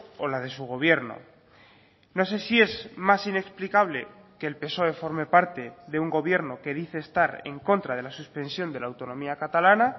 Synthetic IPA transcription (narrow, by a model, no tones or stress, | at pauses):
o̞lað̞e̞suɣ̞o̞β̞je̞ɾno̰ | no̞s̬e̞sie̞zmasine̞ksplikaβ̞le̞ | keːlpe̞so̞e̞fo̞ɾme̞paɾt̪e̞ðe̞uŋɡo̞βje̞ɾno̞ke̞ðiθe̞ːst̪aɾe̞̰ŋko̞nt̪ɾað̞e̞lasuspẽ̞nsjo̞nd̪e̞laːwt̪o̞nõmiakat̪alana